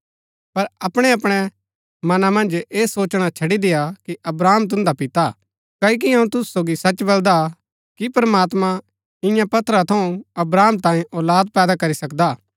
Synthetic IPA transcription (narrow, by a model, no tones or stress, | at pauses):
pɐɾɐpɽ̃ɛɐpɽ̃ɛ | mɐnamɐ̃nd͡ʒeːsoːt͡ʃɽ̃at͡ʃʰɐɽid̪ɪjakiʔɐbɾaːmt̪̬ʊ̃nd̪apɪt̪a | kɐːik̬iɦɐũt̪ʊsu̥soːɡisɐt͡ʃbɐld̪a | kipɐɾɐmaːt̪mã | ɪ̃jãpɐt̪ʰɾat̪ʰɐũɐbɾaːmt̪ãːĩʔɔːlaːd̪̚pɛːd̪akɐɾisɐkd̪aː